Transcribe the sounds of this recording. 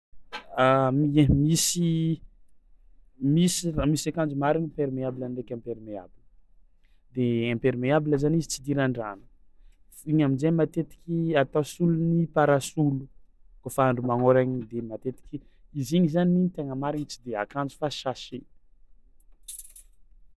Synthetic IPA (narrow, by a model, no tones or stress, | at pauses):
ammisi | misimisakand͡zumaɾiɲimpeɾmeabilanrekʲãmpeɾimea̰bil | d̪eãmpeɾimeabiləzanizit͡sid̪iɾaɳɖ͡ʐanu̥ | iɲaminzemat̪et̪i̥kʲiat̪asulunipaɾasulukofaaɳɖ͡ʐumaŋoɾaɲid̪emat̪et̪i̥kʲi | iziɲizanit̪eŋəmaɾiɲit͡sid̪ea̰kand͡zu̥faʃaʃe